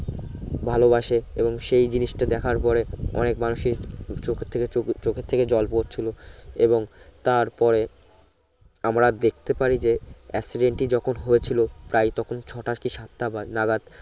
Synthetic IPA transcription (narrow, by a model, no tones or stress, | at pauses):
bʱalobaʃeeboŋʃejd͡ʑiniʃʈad̪ɛkʰaɾpɔɾeɔ̰nekmanuʃiɾt͡ɕokʰet̪ʰːekeot͡ɕokʰet̪ʰːeked͡ʑɔlpot̪̚t͡ɕʰiloeboŋt̪aɾpɔɾe | amɾad̪ek̚ʰt̪epaɾid͡ʑeɛksiɖeɳʈid͡ʑɔkʰonɦojet͡ɕʰilopɾajt̪ɔkʰont͡ɕʰɔʈakiʃat̪ʰːabanaɡat̪